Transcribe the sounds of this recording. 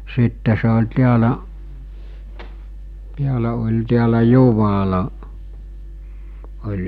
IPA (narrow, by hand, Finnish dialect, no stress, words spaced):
sitːe se olʲ tiælæʔ tiælæ olʲ tiælæ juʋɑlɑ olʲ